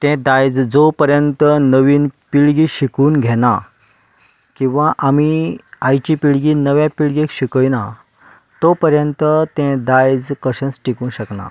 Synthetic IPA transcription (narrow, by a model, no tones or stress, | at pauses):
t̪ɛ̃d̪ajd͡zd͡zopəɾjənt̪ənəʋiːnpiɭɡiɕikuːnɡʱena | kĩw̃ʋaʔamiajt͡ɕipiɭɡiːnəʋjãpiɭɡekɕikəjna | t̪opəɾjənt̪ət̪ɛ̃d̪ajd͡zkəɕə̃nsʈikuːnɕəkna̰